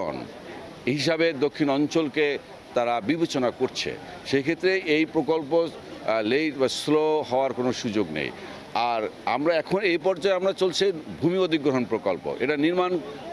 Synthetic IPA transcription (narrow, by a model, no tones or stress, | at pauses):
o̰n | ɦiʃabed̪okʰːinɔnt͡ɕolke | t̪aɾabibʱet͡ɕonakoɾt͡ɕʰḛ | ʃekʰet̪ːɾeʔejpɾokolp̬o | lesloɦɔoaɾkonoʃud͡ʑoɡnḛj | aɾa̰mɾaɛkʰonejpɔɾd͡ʑaeamɾat͡ɕolt͡ɕʰibʱumiod̪ʱiɡɾoɦonpɾokolpo̰ʔḛʈaniɾman